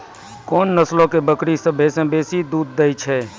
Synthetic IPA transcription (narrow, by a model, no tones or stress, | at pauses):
koːnːəslõkebəkɽisə̃bʱesə̃beːsid̪uːd̪̚ːet͡ʃʰɛ